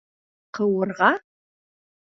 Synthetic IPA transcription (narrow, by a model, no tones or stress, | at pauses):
qəwʊrʁɑ